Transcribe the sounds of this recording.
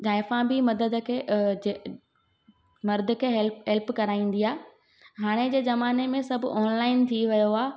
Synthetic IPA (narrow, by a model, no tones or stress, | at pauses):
d͡ʑaːɪfãbɪmɐd̪əd̪ə̆kʰeːd͡ʑe | mɐɾd̪kʰeːɦlɦɛlpkɐɾaːĩːn̆d̪iaː | ɦaːɽ̃ed͡ʑeːzɐmaːnemẽsɐbʱɔːnlaːɪnt̪ʰiʋɐjoaː